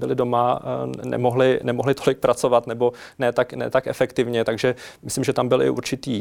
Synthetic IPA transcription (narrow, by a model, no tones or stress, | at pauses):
bɪlɪdo̞manɛ̰moɦlɪnɛmoɦlɪt̪o̞lɪk̚pɾat͡so̞vat̪nɛbo̞nɛt̪aknɛ̰t̪akʔɛfɛkt̪ɪvɲɛt̪aɡʒɛmɪslimʒɛt̪ambɪlɪ̰ʔṵɾt͡ʃɪt̪iː